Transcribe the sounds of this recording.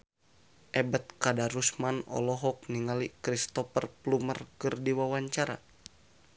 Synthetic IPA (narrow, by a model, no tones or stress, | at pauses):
ʔɛbət̪̚kadaɾusmanɔ̰lɔɦɔk̚niŋalikɾist̪ɔfərplumərkɨrdiwawaɲt͡ʃaɾa̰